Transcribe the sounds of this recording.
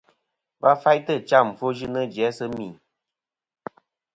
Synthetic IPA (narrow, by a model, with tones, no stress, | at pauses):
va˦fa˦jtə˦˨t͡ʃa˦˨m̩˨fo˦ʒɨ˦nə˦d͡ʒjɛ˨˦sə˦mi˨